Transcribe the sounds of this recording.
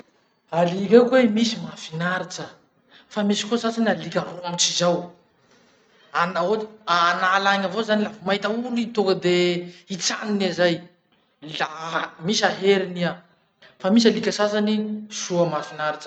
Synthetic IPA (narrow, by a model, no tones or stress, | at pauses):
aliɾekwemisimafinaɾit͡ʃə | famisi̥kosazanialikʲaɾoamit͡sizaw | anaoanalaɲavozanilavumaɦit̪aulit̪ukəd̪eit͡sa̰ninazaj | lamisiaɦeɾinia | famis̬alikʲəsazanisuəmafinaɾit͡ʃə̥